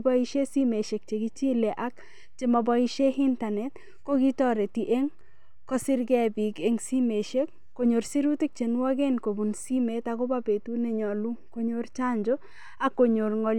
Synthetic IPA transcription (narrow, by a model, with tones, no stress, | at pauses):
ba˦i˦ʃe˦si˦me˨ʃe˨k̚t͡ʃe˨ɡi˦t͡ʃi˦le˨ʔa˦k | t͡ʃe˨ma˨bɔ˦i˦ʃe˦hi˦nta˨nɛ˨t | ko˦ɡi˦tɔ˦ɾe˨ti˨ʔe˦ŋ | kɔ˦sɪ˦ɾɡɛ˦bi˨ɡe˦ŋsi˦me˨ʃe˦kːo˨ɲo˨ɾsi˦ɾu˦ti˦k̚t͡ʃe˨nu˦a˦ɡe˦nko˨bu˨nsi˦me˨˦ta˨ko˦ba˦be˨tu˦nɛ˦ɲɔ˨lu˦ko˦ɲo˦ɾt͡ʃa˦ɲd͡ʒo˦ | a˦kːo˨ɲo˨ɾŋɔ˨l